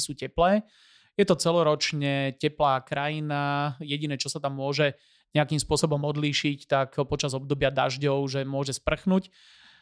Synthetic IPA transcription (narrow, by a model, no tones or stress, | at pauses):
suːcɛplɛː | jɛt̪ɔt͡sɛlɔɾɔt͡ʃɲɛcɛplaːkɾajinajɛɟinɛːt͡ʃɔsat̪amːʊɔʒɛ | ɲɛakimspʊɔsɔbɔmɔd̪liːʃict̪akɦɔpɔt͡ʃazɔb̚d̪ɔbɪad̪a̰ʒɟɔʊʒɛmʊɔʒɛspr̩xnuːc